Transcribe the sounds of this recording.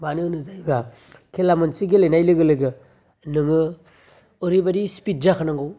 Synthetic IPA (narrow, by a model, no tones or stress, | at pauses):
baninɯzajba | kʰelamansiɡilejnajlɯɡɯlɯɡɯ | nɯŋɯ | oɾibadispit̚zakʰanaŋɡɯw